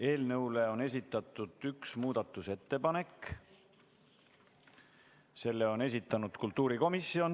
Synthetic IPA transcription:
e̞ːlnɤwle̞o̞ne̞s̬ʲit̪ːˑɑt̪ːˑud̪̥yksmuːd̪̥ɑt̪ːˑuse̞t̪ːe̞pɑne̞k | se̞lːe̞o̞ne̞s̬ʲit̪ːˑɑnud̪̥kult̪ˑːuːɾiko̞misio̞n

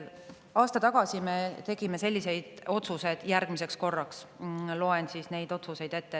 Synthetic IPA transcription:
ɑːst̪ɑt̪ɑɡ̥ɑsime̞t̪e̞ɡ̥ime̞se̞lʲːise̞jd̪̥o̞t̪suse̞d̪̥jærɡ̥mise̞ksko̞rːɑkslo̞e̞nsiːsne̞jd̪o̞t̪suse̞jd̪̥e̞t̪ːe

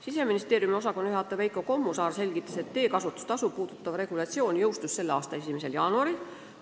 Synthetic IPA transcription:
sise̞minist̪e̞ːɾjumio̞s̬ɑko̞nyɦɑt̪ːˑɑvejkˑoko̞mːusɑːrse̞lʲɡit̪ːˑɑse̞t̪ːe̞ːkɑsut̪ːˑu̥st̪ɑsupuːd̪̥ut̪ːˑɑvre̞ɡ̥ulɑt̪sio̞ːnʲjɤwst̪usse̞lːeɑːst̪ɑe̞simese̞ljɑːnuɑɾil

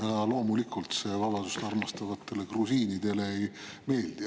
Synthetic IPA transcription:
jɑlo̞ːmulikːˑult̪se̞vɑbɑd̪usɑrmɑst̪ɑvɑt̪ˑːe̞le̞krusiːnid̪̥e̞le̞ejme̞ːld̪̥i

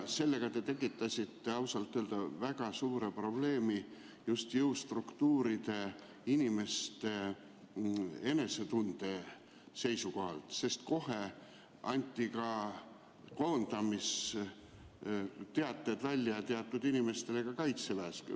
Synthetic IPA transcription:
se̞lːe̞ɡ̥ɑt̪e̞t̪e̞kːˑit̪ːˑɑsʲit̪ːe̞ɑwsɑlt̪ːˑøeld̪̥ɑvæɡ̥ɑsuːɾe̞pro̞b̥le̞ːmi | just̪jɤwst̪rukt̪uːɾid̪̥e̞ | inʲime̞st̪e̞ | e̞ne̞se̞t̪und̪̥e̞ | se̞jsuko̞ɦɑ̰lt̪se̞st̪̚ko̞ɦe̞ | ɑnʲt̪ʲːˑikɑ | ko̞ːnd̪ɑmis | t̪e̞ɑt̪ːˑe̞d̪̥vælʲːjɑjt̪eɑt̪ːˑud̪̥inime̞st̪ele̞kɑkɑjt̪sevæːsky̰

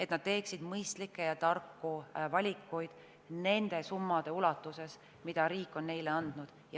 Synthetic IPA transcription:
e̞t̪nɑd̪̚t̪e̞ːksid̪̥mɤjst̪likːˑejɑt̪ɑrkːuvɑlʲikːˑujd̪̥ | ne̞nd̪̥e̞sumːɑd̪̥e̞ulɑt̪ːˑuse̞s | mid̪̥ɑɾiːkːˑo̞nːe̞jleɑnd̪̥nud̪̥jɑ

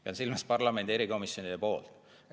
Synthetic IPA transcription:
pɑnsilmɑspɑrlɑme̞nd̪ie̞ɾiko̞misjo̞nid̪̥epo̞ːlt̪

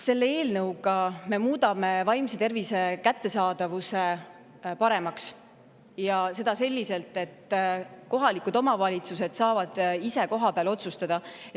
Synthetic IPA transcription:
se̞lːeeːlnɤwɡ̥ɑme̞muːd̪ɑme̞vɑjmse̞t̪e̞rvise̞kæt̪ːe̞sɑːd̪̥ɑvuse̞ | pɑɾe̞mɑks | jɑse̞d̪̥ɑse̞lʲːise̞lt̪e̞t̪ːko̞ɦɑlikud̪o̞mɑvɑlʲit̪suse̞d̪̥sɑːvɑd̪̥ise̞ko̞ɦɑpeɑlo̞t̪sust̪ɑd̪̥ɑ

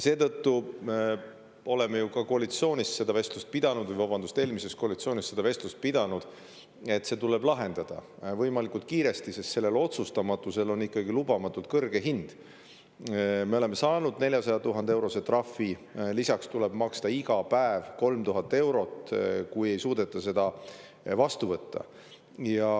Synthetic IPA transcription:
se̞ːt̪ɤt̪ːu | o̞le̞mejukɑkoɑlit̪sio̞ːnʲisse̞d̪̥ɑve̞st̪lust̪̚pid̪̥ɑnud̪̥vɯjvɑbɑnd̪ust̪e̞ːlmise̞st̪koːlit̪sio̞ːnʲist̪ːe̞d̪ɑve̞st̪lust̪̚pid̪̥ɑnud̪̥ | e̞t̪ːse̞ːt̪ule̞blɑɦe̞nd̪̥ɑd̪̥ɑ̰vɤjmɑlikˑult̪̚kiːɾe̞st̪isest̪se̞lːe̞lo̞t̪sust̪ɑmɑt̪ːˑuse̞lo̞nːikːˑɑɡilubɑmɑt̪ːˑult̪̚kɤrɡ̥e̞ɦind̪̥ | me̞o̞le̞mːe̞sɑːnud̪ne̞lʲjɑsɑjɑt̪uɦɑnd̪eewɾo̞se̞t̪rɑfːilisɑkst̪uleb̥mɑkst̪ɑiɡɑpæevko̞lmt̪uɦɑt̪ːˑe̞wɾo̞t̪kuje̞jsuːd̪̥e̞t̪ːˑɑse̞d̪̥ɑ | vɑst̪uvɤt̪ːɑ̰ | jɑ

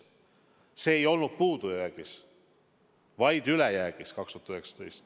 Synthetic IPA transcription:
se̞ːjo̞lnud̪̥̚puːd̪ujjæːɡ̥is | vɑjd̪ylɛjæːɡ̥iskɑkst̪uhɑt̪yheksɑ̥t̪ejst̪

